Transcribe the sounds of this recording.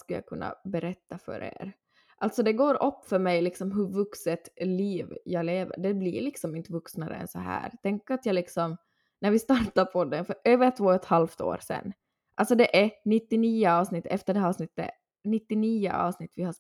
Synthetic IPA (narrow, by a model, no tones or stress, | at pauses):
skljɑ̰kʰɵnːa̰bɛɾɛt̪ːafœ̰ɾḛːɾ | ʔalt̪sɔd̪ɛɡoːɾɔpːfœɾmɛjlɪksɔmɦɵvɵksət̪liːvjɑleːvə̰ɾɖɛblḭlɪksɔmɪnt̪əvɵksnaɾə̰ɛ̰nsɔɦæ̰ːɾt̪ʰɛŋkːat̪jɑlɪksɔm | næɾvɪst̪ɑɾʈaɾpʰɔd̪ɛnfœɾʔøːvəɾt̪ʰvoːɛt̪halft̪o̰ːɾsɛ̰nː | ʔalt̪sɔd̪ɛʔænɪt̪ːɪniːʊɑːvsnɪt̪ːɛft̪əɖɛhɾɑːvsnɪt̪ːə̰ | nɪt̪ːɪniːʊ̰ʔɑ̰ːvsnɪt̪ːvɪha